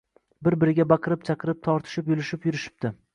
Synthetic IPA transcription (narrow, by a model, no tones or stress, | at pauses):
bɪɾbɪɾɪɡʲabɑqʰɨɾɪp̚t͡ʃʰaqɨɾɪp̚t̪ʰɒɾt̪ʰɪ̥ʃɪpjʊlɪʃɪpjʊɾɪʃɪ̥p̚d̪̥ɪ